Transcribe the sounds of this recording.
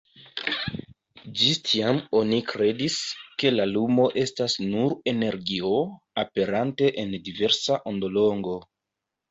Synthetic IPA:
d͡ʒistʰiamo̞nikɾe̞diske̞lalumo̞ʔe̞stasnuɾe̞ne̞ɾɡio̞ | ape̞ɾante̞ʔendive̞ɾsaʔondo̞lo̞ŋɡo̞

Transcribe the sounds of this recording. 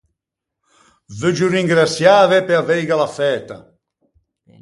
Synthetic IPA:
vød͡ʒuriŋɡɾasjaːvɛpeavɛjɡalafɛːt̪a̰

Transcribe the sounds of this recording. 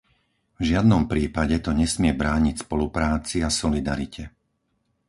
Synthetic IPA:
vʒɪad̪nɔmpɾiːpaɟɛt̪ɔɲɛsmɪɛbɾaːɲicspɔlupɾaːt͡siasɔlid̪a̰ɾicʰɛ

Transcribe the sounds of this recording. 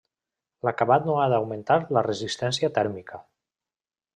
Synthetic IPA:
lakaβat̪noaðawment̪aɾlərəzist̪ɛnsiət̪ɛɾmikə

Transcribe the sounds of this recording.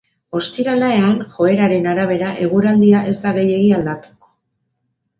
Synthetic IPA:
o̞st̪iɾalae̞anxo̞e̞ɾaɾe̞naɾaβ̞e̞ɾaʔe̞ɣ̞uɾald̪iaʔe̞zd̪aɣe̞je̞ɣiald̪at̪u̥ko̥

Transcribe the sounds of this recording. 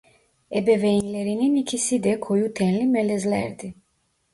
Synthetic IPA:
ɛbɛvɛinlɛɾininikʰisid̪ɛkʰɔjut̪ʰɛnlimɛlɛzlɛɛɾd̪i

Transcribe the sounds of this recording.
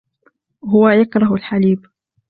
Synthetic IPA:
ɦʊwajakɾˤɑɦalħaliːb

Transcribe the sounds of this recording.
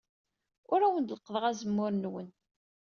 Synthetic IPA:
ʊɾæwənd̪ləqːəðˤəʁæzəmːʊɾnwən

